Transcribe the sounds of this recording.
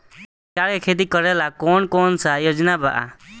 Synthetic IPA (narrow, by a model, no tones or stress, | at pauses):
t͡ʃaɭekʰet̪̬ikəɾɛlakɔnkɔnsajod͡ʒnabaʔa̰